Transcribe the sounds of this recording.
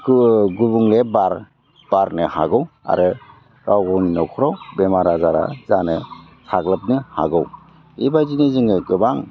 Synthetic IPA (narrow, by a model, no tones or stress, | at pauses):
ɡubuŋlebaɾ | b̥aɾnɯhaɡɯwa̰ɾɯ | kawɡɔwninɔkʰuɾawbemaɾazaɾa̰zanɯ | sʰakləp̚nɯha̰ɡɯw | ibajzinezɯŋɡɯɡɯbaŋ